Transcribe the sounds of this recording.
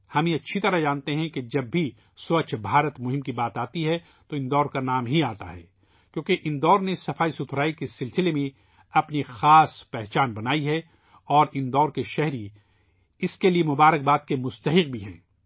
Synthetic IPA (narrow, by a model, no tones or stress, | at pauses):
hɐmẽɐtːʃʰit̪ɐɾad͡ʒãːnt̪eɦɛ̃ked͡ʒɐbːʱi | sʊɐt͡ʃʰbʱaːɾət̪mʊɦɪ̃mkibaːt̪aːt̪iɦɛ | t̪oɪ̃nd̪ɔːɾkanaːmɦiaːt̪a̰ɦɛ̰ː | kjõːkeʔɪnd̪ɔːɾnesɐfaːisʊt̪ʰɾaːikesɪlsɪlemẽ | ɐpnixaːspɛɦt͡ʃaːnbɐnaːiɦɛ | ɔːɾɪnd̪ɔːɾkeʃɛɦɾi | ɪskeliemʊbaːɾək̚baːt̪̚kemʊst̪ɐɦɪq̚bʱiɦɛ̰̃ː